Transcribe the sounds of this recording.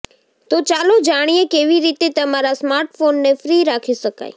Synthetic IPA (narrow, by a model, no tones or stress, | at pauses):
t̪ot͡ʃaːlod͡ʒaɽ̃ijekeʋiɾit̪et̪əmaɾasmaːɾʈfonːefɾiɾaːkʰiʃəka̰j